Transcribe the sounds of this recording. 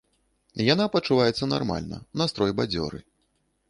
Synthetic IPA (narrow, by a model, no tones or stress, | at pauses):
janapɐt͡ʂuvajɛt̪sːɐna̰rma̰lʲnɐ̰nast̪ɾɔjbad͡zʲɔ̰ɾɨ̰